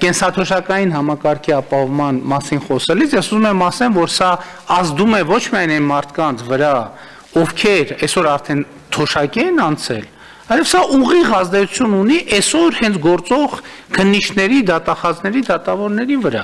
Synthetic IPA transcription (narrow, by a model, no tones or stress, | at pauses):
kɛnsɑt̪ʰɔʃɑkɑjinɦɑmɑkɑɾkʰiɑpɑhɔvmɑnmɑsinχɔsɛlit͡sʰjɛsuzumɛmɑsɛlvɔɾsɑ | ɑzd̪umɛvɔt͡ʃʰmiɑjnɛnmɑɾt̪ʰkɑnt͡sʰvəɾɑ | ɔvkʰɛɾɛsɔɾɑɾt̪ʰɛn | t̪ʰɔʃɑkiɛnɑnt͡sʰɛl | ɑjlɛv̥sɑʔuʁiʁɑzd̪ɛt͡sʰu̥t͡sʰjununiʔɛsɔɾhɛnt͡sʰɡɔɾt͡sɔʁ | kʰənːit͡ʃʰnɛɾid̪ɑt̪ɑχɑznɛɾid̪ɑt̪ɑvɔɾnɛɾivəɾɑ̰